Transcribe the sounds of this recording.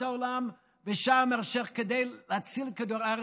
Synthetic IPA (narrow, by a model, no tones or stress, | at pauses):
aolam | vəʃamɛʁʃeχked̪ejlat͡silkad̪uʁaʁ